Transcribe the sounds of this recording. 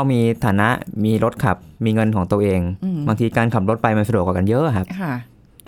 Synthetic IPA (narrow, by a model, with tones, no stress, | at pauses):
a˧wmiː˧t̪ʰaː˩˦na˦˥ʔmiː˧ɾo˦˥t̪̚kʰa˨˩p̚miː˧ŋɤ˧nkʰɔː˩˦ŋt̪u˧əʔeː˧ŋbaː˧ŋt̪ʰiː˧kaː˧nkʰa˨˩p̚ɾo˦˥t̪̚pa˧jma˧sa˧du˨˩ək̚a˨˩ka˧njɤ˦˥ʔkʰa˦˥p̚ʰa˧˩